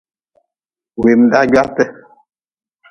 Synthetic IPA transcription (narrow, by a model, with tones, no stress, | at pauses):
we˨m̩˨da˦ɟa˦pɛ˦